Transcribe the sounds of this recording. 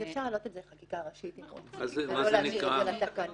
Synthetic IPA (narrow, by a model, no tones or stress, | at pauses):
efʃaʁalo̞t̪ezeeχakikaːʁaʃitimo̰azaolanʃiaalat̪akan